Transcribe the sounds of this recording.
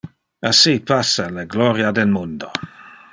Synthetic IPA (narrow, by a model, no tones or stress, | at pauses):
asipasːaleɡlɔɾjad̪elmund̪o